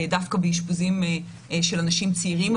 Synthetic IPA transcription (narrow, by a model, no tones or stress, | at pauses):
dafkabeiʃbuzim | ʃelanaʃimt͡siiʁim